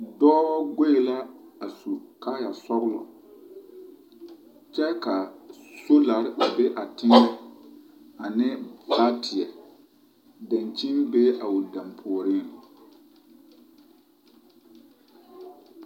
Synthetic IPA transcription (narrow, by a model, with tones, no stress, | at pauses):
dɔː˦wɔ˦ɡe˦e˨la˦a˨su˨ka˦ja˨sɔ˦ɣlɔ̰˨ | t͡ʃɛ˦ka˨so˦la˨ɾbe˦ʔa˨tɪ˦nːɛ˦ | a˨nɪ˦ba˦tʰɪ˨ɛ˨ | dã˨nt͡ʃi˦nbe˦ʔa˨ʊ˨dã˨mpʰʊ˨ɔ˨ɾɪ˦˨